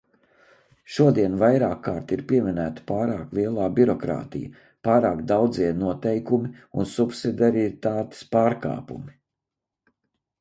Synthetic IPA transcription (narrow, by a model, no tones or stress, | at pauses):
ʃuɔd̪iɛnvajɾaːkʰːaːɾt̪iɾpʲiɛminæːt̪i̥paːɾaːklˠiɛlˠaːbʲiɾɔkɾa̰ːt̪ḭj | pɑːɾaːkd̪awd̪ziɛnuɔt̪ɛjkumiunsupsid̪ʲaɾiit̪aːt̪e̥spaːɾka̰ːpṵmi